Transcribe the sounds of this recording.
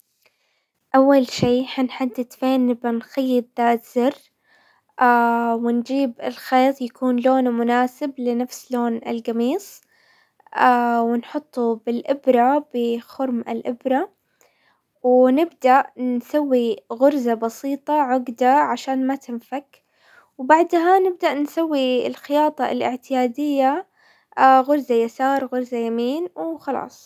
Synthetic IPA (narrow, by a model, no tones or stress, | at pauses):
ʔawːalʃiːħanħad̪ːɪd̪feːnːɪbʔanxajːɪd̪̚ðaːt̪z̥ɪr | ʔawɪnd͡ʒiːbɪlxeːt̪ˤjakuːnloːnmʊnaːsɪblɪnafsloːnɪlɡamiːsˤ | awɪnħʊt̪ˤːubɪlʔɪbɾˤabɪxʊɾmɪ̰lʔɪbɾˤa | wɪnɪbd̪aʔnsawːiɣʊɾzabɑsiːt̪ˤɑʕʊɡd̪aʕaʃaːnmat̪ɪnfak | wbaʕd̪ɦanɪb̚d̪aʔnsawːilxɪjɑːt̪ˤɑlʔɪ̰ʕt̪ɪjaːd̪ɪjːa | ɣʊɾzajasɑːɾˤɣʊɾzajamiːnwxɑlɑ̰ːsˤ